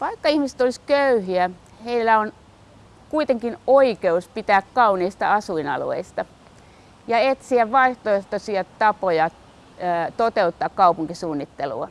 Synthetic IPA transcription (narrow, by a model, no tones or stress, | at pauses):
ʋɑikːɑihmisĕ̥t̪oliskøyhiæ | heilːæon | kuit̪eŋkinoikeuspit̪æːkkɑuniːst̪ɑ̰ɑsuinɑ̰lṵḛist̪ɑ | jɑet̪siæʋʋɑiht̪oiht̪osiɑt̪ɑpojɑ | t̪ot̪eut̪ːɑːkkɑupuŋkisuːnːit̪ːelṵɑ